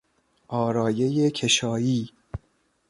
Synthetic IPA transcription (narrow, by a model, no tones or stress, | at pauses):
ʔɒːɾɒːje̞jekʰeʃɒːjiː